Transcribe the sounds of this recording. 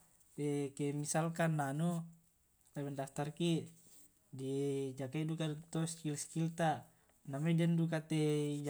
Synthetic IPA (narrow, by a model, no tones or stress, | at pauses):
ɛkɛmisalkanːanu | labɛndaft̪arki | did͡ʒakaidukat̪ɔskilskilt̪a | namɛdɛndukat̪ɛ